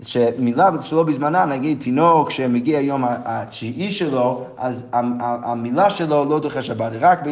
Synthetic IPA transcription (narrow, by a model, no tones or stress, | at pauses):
ʃɛmilˠabʃəlˠobɪzmananaɡitʰinɔkʃɛməɡiaajomaat͡ʃiiʃɛlˠoazaaa̰milˠaʃɛlˠolˠoʊdoχɛʃabatʁak̚bɪ